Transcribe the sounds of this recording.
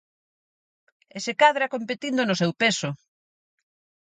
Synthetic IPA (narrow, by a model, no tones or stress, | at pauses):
esekaðɾakompet̪ind̪onʊsewpesʊ